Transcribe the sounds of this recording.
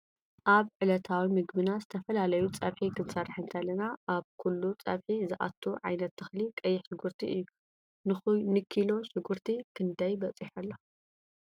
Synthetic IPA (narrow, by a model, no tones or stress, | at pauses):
ʔaβʕɨlɐt̪ʰawimɨɡbɨnazɨt̪ʰɐfɐlalɐjut͡sʼɐβħikʰɨnsɐrħɨnt̪ʰɐlːɐnaʔaβkʰulːut͡sʼɐ̰βħizɨʔa̰t̪ʰːuʕa̰jnɐt̪ːɨxlikʼɐjːɪħsɨɡuɾt̪ʰiʔɨjːu | nɨxnɨkʰːilo̞sɨɡuɾt̪ʰikʰɨnd̪ʰajbɐt͡sʼiħɐlːɐ